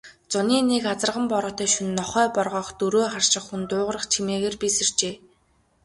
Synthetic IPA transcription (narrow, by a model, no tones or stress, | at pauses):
t͡sʊniːnekat͡sə̆rʁə̆mpɔɾɞːt̪œːʃunːɔχœːpɔrʁɔːχt̪uɾoːχar̥ʃɪ̆χːunt̪ʊːʁərə̆χt͡ɕʰimeːɣeːrpiːsɵr̥t͡ɕeː